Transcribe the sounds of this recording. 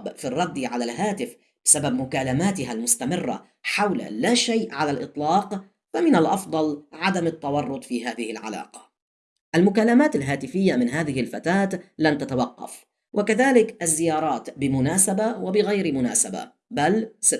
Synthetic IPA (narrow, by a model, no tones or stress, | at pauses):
bfirˤːɑd̪ːʕalalɦaːt̪ɪf | b̥ɪsabab̚mʊkaːlamaːt̪ɪɦalmʊst̪amɪrːa̰ | ħawl̰laːʃajʔʕalalʔɨt̪ˤlɑːq | famɪnalʔɑfd̪ˤɑlʕad̪amɪt̪ːɑwɑrˤːʊt̪ˤfiːɦaːðɪhɪlʕa̰la̰ːqɑ̥ | ʔalmʊkalːamaːt̪alɦaːt̪ɪfɪjːamɪnɦaːðɪhɪlfat̪aːt̪lant̪at̪awɑqːɑ̰f | wʔakaðaːlɪkʔazːɪjɑːɾˤɑːt̪bɪmʊnaːsabawabɪɣajɾmʊna̰ːsaba̰ | bals